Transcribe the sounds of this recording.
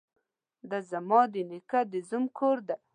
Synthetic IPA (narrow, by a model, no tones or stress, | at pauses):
d̪azamɑd̪enɪkad̪ɪzumkʰoɾd̪a